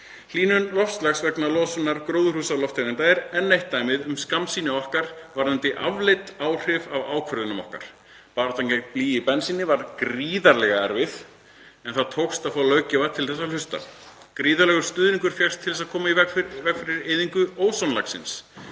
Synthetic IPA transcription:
l̥iːnʏnlɔfslaxsvɛknalɔːsɔnːaɾkɾoːwðʏɾ̥uːsalɔft̪ʰanɪnt̪ajɪɾɛnːejht̪ːaːjmɪðʏmskamsiːnɪɔhkaɾ̥vaɾðant̪ɪʔa̰vlɪt̪aːwr̥ɪvava̰ːwkʰvœɾðʏnʏmɔ̰hka̰ɾ̥ | paːɾt̪aŋcɛkpliːɪpɛnsiːnɪvaɾkɾiːðaɾlɛɣaɛ̰ɾvɪð | ɛnθaðt̪ʰowkst̪aðfaːwlœːɥcɪvat̪ʰɪlθɛsːalʏst̪a̰kɾiːðalɛɣʏɾ̥st̪ʏːðniŋkʏɾ̥fjɛr̥st̪ʰɪls̬aðkʰɔːmaivɛvɛkfɪɾɪɾeːðiŋkʏʔoːwsɔnla̰ksɪ̰ns

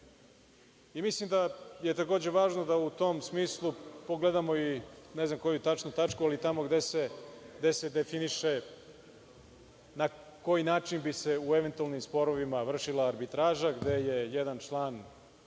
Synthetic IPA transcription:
imislimd̪aje̞t̪ako̞ːd͡ʑe̞ʋaːʒno̞d̪aut̪o̞msmiːslˠupoɡled̪amo̞inezamko̞jut̪at͡ʃnut̪at͡ʃkualit̪amo̞ɡd̪eseɡd̪e̞se̞d̪efiniʃe | na | ko̞jinaːinbise̞ueʋe̞nt̪ualnimspo̞ɾoʋimaʋr̩ʃilˠaːɾbit̪ɾaːʒaɡd̪e̞je̞jed̪ant͡ʃlˠaːn

